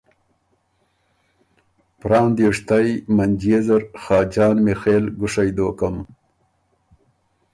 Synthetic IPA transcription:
pɾɑːnd̪uʂt̪ajmand͡ʒjezaɾxɑːd͡ʒɑːnmexeːlɡʊʂajd̪oːkəm

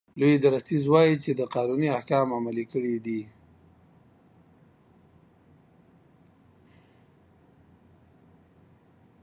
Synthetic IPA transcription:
lojd̪aɾast̪izwɑjit͡ʃed̪əqɑnuniahkɑmamalikəɽid̪i

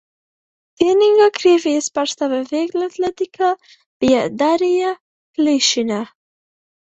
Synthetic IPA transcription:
t̪eniŋɡakɾevispaɾst̪aβaveɡlat̪lat̪ikʰa | b̥ijad̪aɾija | kliʃina

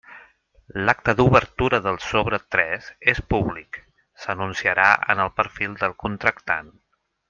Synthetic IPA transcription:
lak̚t̪əðuβəɾt̪uɾəðəlˠsoβɾət̪ɾɛzespuβlik | sənunsiəɾaə̰nəlˠpəɾfilˠd̪əlˠkunt̪ɾəkt̪a̰n

